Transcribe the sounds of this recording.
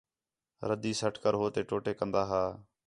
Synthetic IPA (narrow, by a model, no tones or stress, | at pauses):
ɾəd̪iːsəʈkəɾɦoːt̪eːʈoːʈeːkənd̪aːɦaː